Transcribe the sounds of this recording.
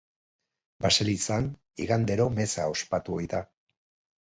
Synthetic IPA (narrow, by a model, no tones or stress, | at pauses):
baselisan | ḭɣand̪e̞ɾo̞me̞sao̞spat̪uojða